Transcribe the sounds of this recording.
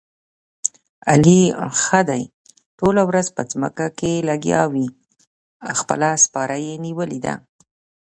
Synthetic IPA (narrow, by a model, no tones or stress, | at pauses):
a̰lixəd̪aj | ʈolawɾazpəd͡zmə̰kakelaɡjɑ̰wi | awxpə̰laspɑɾajeniwəlid̪a̰